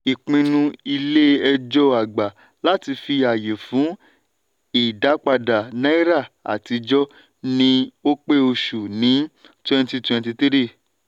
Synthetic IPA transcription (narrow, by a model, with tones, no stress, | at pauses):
i˨k͡pĩ˧nũ˧i˧le˦ɛ˧d͡ʒɔ˦a˨ɡ͡ba˨ | la˦ti˧fi˧a˨je˨fũ˨˦ | i˨da˨˦k͡pa˧da˨nɛ̃˦i˦ɾa˦˨a̰˨ti˧d͡ʒɔ˦ | nĩ˧o˦k͡pe˦o˧ʃu˨nĩ˨˦ | twɛ̃˦˧nti˧twɛ̃˧nti˧ti˦ɾi˦˨